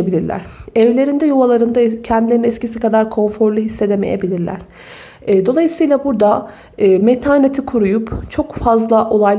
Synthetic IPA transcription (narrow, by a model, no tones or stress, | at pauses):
ebilʲiɾlʲæ̰ɾ̥ɛvlʲe̞ɾind̪ɛjuvalˠaɾɯnd̪acʰɛnd̪ilʲeɾinɛt̪cʰis̬ikad̪aɾkʰo̞nfo̞ɾlˠuɦisːe̞d̪emejebilʲiɾlʲæ̰ɾ̥ | ɛːd̪o̞lˠajɯsɯjlˠabuɾd̪a | ɯːmet̪ʰaːnet̪ʰikʰuɾujupt͡ʃʰo̞kfazlˠaʔo̞lˠajl